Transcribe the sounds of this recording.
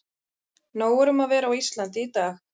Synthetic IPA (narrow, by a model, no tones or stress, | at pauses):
noːwɛɾʏmaðvɛːɾawist̪lant̪ɪit̪aːx